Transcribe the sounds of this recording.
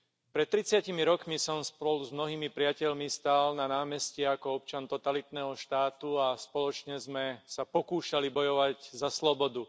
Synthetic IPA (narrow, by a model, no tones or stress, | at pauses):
pɾɛt̪ːɾit͡sɪacimiɾɔkmisɔmspɔluzmnɔɦiːmipɾɪacɛʎmist̪aːlnanaːmɛscɛakɔɔp̚t͡ʃant̪ɔt̪alit̪nɛːɦɔʃt̪aːt̪uaspɔlɔt͡ʃɲɛzmɛsapɔkuːʃalibɔjɔʋaɟzaslɔbɔd̪u